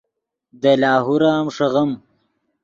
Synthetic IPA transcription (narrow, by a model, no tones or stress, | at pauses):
d̪əlɑːɦuɾaːmʂɐɣɐm